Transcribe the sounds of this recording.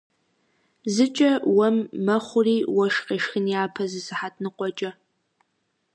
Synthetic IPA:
zɨt͡ʃʼɐwɐmːɐχʷʊriːwɐʃqeːʃxɨnjaːpʰɐzɨsɨħatʼnɨqʷɔt͡ʃʼɐ

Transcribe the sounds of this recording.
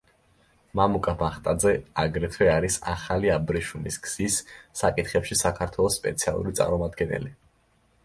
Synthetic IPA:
mamukʼabaχt̪ʼad̪zɛaɡɾɛt̪ʰwɛaɾisa̰χaliabɾɛʃumiskʰz̥isːakʼit̪ʰχɛpʃisakʰaɾt̪ʰwɛlˠɔsːpʼɛ̰t̪sʰia̰lˠṵɾit̪sʼa̰ɾmɔmad̪ɡɛnɛ̰li

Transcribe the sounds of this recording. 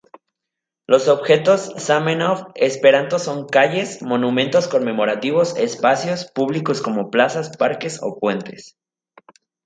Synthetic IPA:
lo̞so̞βxe̞t̪o̞sːamẽnofespeɾant̪oso̞ŋkaʝe̞smõ̞nũmẽ̞nt̪o̞sko̞mme̞mo̞ɾat̪iβo̞sespasjo̞spuβliko̞sko̞mo̞plasaspaɾke̞so̞̰pwe̞nt̪e̞s

